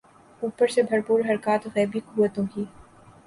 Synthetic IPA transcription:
uːpəɾsebʱɐɾpuːɾɦɐɾkaːt̪ɣɛːbikuːʋət̪õkiː

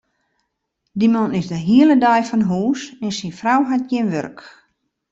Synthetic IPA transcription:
dimɔnɪzdəɦiələdɔjfɔnɦuːsɛnsinfrawɦat̚jɪnʋø̰rk

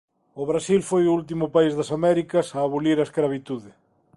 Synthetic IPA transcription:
ʊβɾasilfojʊult̪̬imʊpaizðɐsamɛɾikɐsaːβuliɾɐeskɾaβit̪uðɪ

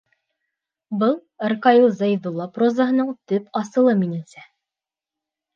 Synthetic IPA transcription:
bɤlˠ | ərkɑilˠzɑjðulˠːɑprozaɦɤ̆nɤɴt̪ɵpɑsɤ̆lˠɤminɘ̆nsæ

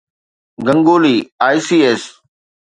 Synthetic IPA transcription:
ɡɐ̃ŋɡoːliːaːisiːeːs

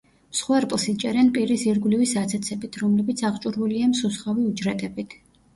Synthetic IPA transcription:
msχwɛɾpʼlˠsit͡ʃʼɛɾɛnpʼiɾisiɾɡlivisat̪sʰɛt̪sʰɛbit̪ʰɾɔmlɛbit̪sʰaʁt͡ʃʼuɾvuliamsusχaviud͡ʒɾɛt̪ʼɛbit̪ʰ

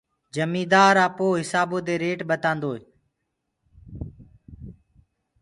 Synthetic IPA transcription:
d͡ʒəmiːd̪aːɾaːpoːɦɪsaːbõːd̪eːɾeːʈɓət̪ãːnd̪oːeː

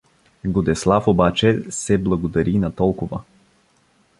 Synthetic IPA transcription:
ɡod̪ɛslˠafobat͡ʃɛsɛblˠɐɡod̪aɾinat̪ɔlˠkʊva

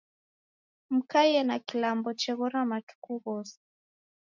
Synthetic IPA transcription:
m̩kajɛnakilambɔt͡ʃɛɣɔɾamatu̥kuɣɔsɛ̥

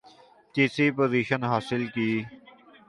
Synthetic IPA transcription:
t̪iːsiːpoːziːʃənɦaːsɪlkiː

